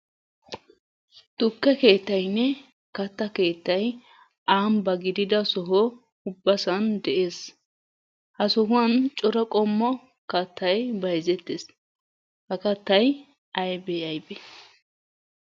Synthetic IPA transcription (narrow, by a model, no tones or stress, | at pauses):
t̪ʊkːɛke̞ːt̪ːɐjnːɛ | kɐt̪ːɐke̞ːt̪ːɐj | aːmbɐɡɪd̪ɪd̪ɐsɔɦɔ | ʊbːɐsɐnd̪ɛʔeːs | hɐsɔɦʊɐnt͡ʃʼɔɾɐkʼɔmːɔ | kɐt̪ːɐjbɐjzɛt̪ːes | hɐkɐt̪ːɐj | ɐjbɛjɐjbɛ